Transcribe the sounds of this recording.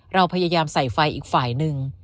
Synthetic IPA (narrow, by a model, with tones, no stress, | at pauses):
ɾa˧wpʰa˧ja˧jaː˧msa˨˩jfa˧jʔiː˨˩k̚faː˨˩jnɯ˨˧ŋ